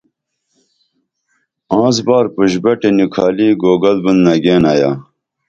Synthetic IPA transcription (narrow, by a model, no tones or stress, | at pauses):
ãːzbaːɾpuʑbɐʈenukʰaːliːɡoːɡɐlbund̪nɐɡeːnaːjaː